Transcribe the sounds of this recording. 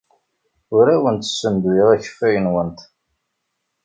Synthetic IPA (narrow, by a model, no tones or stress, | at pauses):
ʊɾæwənt̪ə̥sːənd̪wiʁæçə̥fijənwənt̪